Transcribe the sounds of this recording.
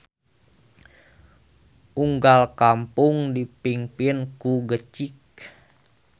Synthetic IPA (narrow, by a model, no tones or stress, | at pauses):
ʔuŋɡalkampuŋdipiŋpinkuɡət͡ʃik̚